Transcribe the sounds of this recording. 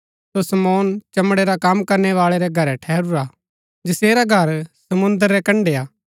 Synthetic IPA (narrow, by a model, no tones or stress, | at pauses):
sosɐmɔːnt͡ʃɐmɽeɾakaːmkɐɾɳɛʋaːɭeɾɛɡʱɐɾɛʈʰɛːɾuɾa | d͡ʒɪseːɾaɡʱɐɾsɐmʊ̃nd̪əɾːɛkɐ̃ɳɖeaː